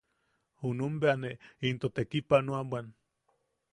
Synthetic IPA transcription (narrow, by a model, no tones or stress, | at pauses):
hunumbeaneint̪ot̪ekipanuaban